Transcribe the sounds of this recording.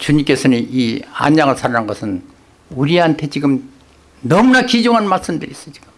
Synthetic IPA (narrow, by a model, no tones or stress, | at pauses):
t͡ɕuɲimk͈e̞sʰʌniʔia̰ɲːaŋɯɭsʰaɾananɡʌsʰɯn | uɾiɦantʰe̞t͡ɕiɡɯm | nʌmunakid͡ʑoŋɦanmaɭs͈ɯmdɯɾis͈ʌ̥t͡ɕi̥ɡ̥ɯm